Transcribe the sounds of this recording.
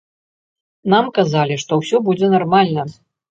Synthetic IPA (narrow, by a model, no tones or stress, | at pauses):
namkazalʲiʂt̪ɔwsʲɔbud͡zʲɛnarmalʲnɐ